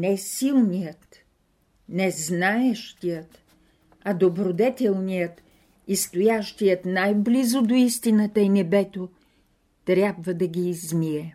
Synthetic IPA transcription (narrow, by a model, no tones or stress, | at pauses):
nɛsilˠnijət̪ | nɛznaɛʃt̪ijət̪ | ɐd̪obɾod̪ɛt̪ɛlˠnijət̪ | ist̪ojaʃt̪ijət̪najblizod̪oist̪inət̪əinɛbɛt̪o | t̪ɾʲabvəd̪ɐɡʲiːzmiɛ